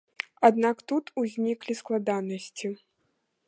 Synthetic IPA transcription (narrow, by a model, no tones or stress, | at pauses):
ad̪nakt̪ut̪uzʲnʲiklʲisklˠad̪anɐsʲt͡sʲi